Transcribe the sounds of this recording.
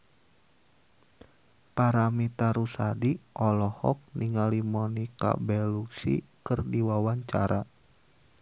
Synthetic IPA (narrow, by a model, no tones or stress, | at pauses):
paɾamit̪aɾusadiʔɔlɔhɔk̚niŋalimɔnika̰bɛluksḭkɨrdiwawaɲt͡ʃa̰ɾa